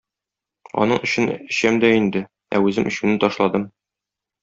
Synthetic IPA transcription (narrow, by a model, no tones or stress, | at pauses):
ɒ̰nɤɴɵ̆ɕɘnɘ̆ɕæmd̪æind̪ɘ | æ̰ʉzɘmɵ̆ɕɘnɘt̪ɒʃlˠɑd̪ɤm